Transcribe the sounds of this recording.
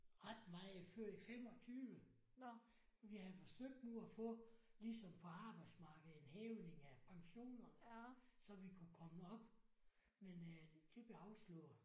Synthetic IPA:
ʁɑd̥mɑ̈ɪæføɐ̰̥ifemɒ̽t͡sʰyːʋə | ʋihæðˠfɒ̽søɡ̥̚d̥nuæfɔ̽lisɒ̽mpʰɒ̽ɑ̈ːb̥ɑ̈ɪd̥smɑ̈ːɡ̥ð̩ˠe̝nhɛːʊne̝ŋæpʰɑ̈ŋɕo̝̰ːnɐ | sɒ̽ʋikʰukʰɒ̽məɒ̽b̥ | menəd̥e̝b̥le̝ɑ̈ʊslɔ̰

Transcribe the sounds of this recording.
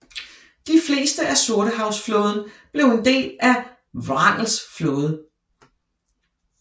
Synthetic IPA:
d̥ifle̝̰ːsd̥əʔæsoɐɾəɦɑ̈ʊsfloːð̞ˠn̩b̥le̝ʊe̝nd̥e̝̰ːlæ | ʋɑn̰l̩sfloːð̞ˠə

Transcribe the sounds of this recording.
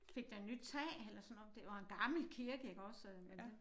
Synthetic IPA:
fe̝ɡ̥̚d̥ɑnyd̥̚t͡sʰɛ̰ːelɐsɔ̽nɒ̽md̥e̝ʋɑ̈e̝nɡ̥ɑ̈ml̩kʰiɐɡ̥əjɑkʰɒ̽ssɛðˠmemd̥e

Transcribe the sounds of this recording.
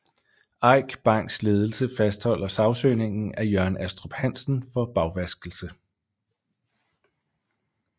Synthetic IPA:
ɑ̈ɪ̰ɡ̥b̥ɑ̈ŋ̰ɡ̥sle̝ːð̞ˠl̩səfæsd̥hɒ̽l̰ɐsɑ̈ʊsøːne̝ŋ̰n̩æjœɐnæsd̥ʁob̥hæn̰sn̩fɒ̽b̥ɑ̈ʊʋæsɡ̥l̩sə

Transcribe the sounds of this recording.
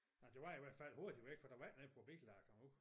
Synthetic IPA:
ɑd̥e̝ʋɑ̈iʋæɐ̰d̥fæl̰ho̝ɐd̥iʋeɡ̥fɒd̥æ̈ʋæ̰̥nepʰʁob̥eɡ̥lɑːɡ̥ʰɒmu

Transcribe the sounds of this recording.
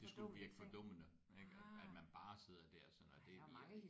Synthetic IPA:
d̥e̝sɡ̥uʋiɐɡ̥ə̥fɒd̥ɔ̽m̰ənə | eɡ̥æd̥mænb̥ɑ̈ːse̝ð̞̰ˠɐd̥æɐ̰sɒ̽nɒd̥e̝ʋi

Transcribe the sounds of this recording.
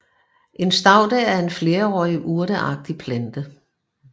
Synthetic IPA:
ʔe̝nsd̥ɑ̈ʊ̰d̥ɛæɐe̝nfle̝ːɐɒ̰ːiʔuɐɾ̥əʔɑ̈ɡ̥̚d̥ipʰlænd̥ə

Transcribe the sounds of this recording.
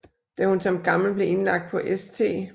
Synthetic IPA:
d̥æhunsɒ̽mɡ̥ɑ̈ml̩b̥le̝e̝nlɑ̈ɡ̥̚d̥̚pʰɒ̽ʔest͡sʰe̝̰ː

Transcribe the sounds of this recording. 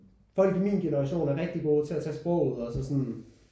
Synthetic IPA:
fɒ̽l̰ɡ̥imḭːnɡ̥enəʁɑɕo̝̰ːnæɐʁeɡ̥̚d̥iɡ̥o̝ːt͡sʰe̝æt͡sʰɛ̰ːsb̥ʁɔ̰ʊ̰uð̰ˠɒsɒ̽sɒn

